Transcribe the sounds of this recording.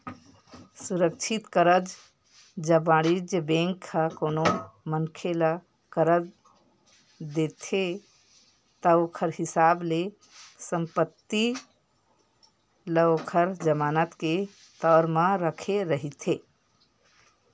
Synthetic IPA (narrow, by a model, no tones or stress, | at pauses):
suɾək̚t͡ʃʰit̪kəɾəd͡ʒ | d͡ʒəbaɽid͡ʒəbẽŋkʰːəkonomənkʰelə | kəɾəd͡ʒ | d̪et̪ʰe | t̪əokʰəɾɦisable | səmpət̪ːi | ləokʰəɾd͡ʒəmaːnət̪ke | t̪əɾmə̃ɾəkʰeɾəɦit̪ʰe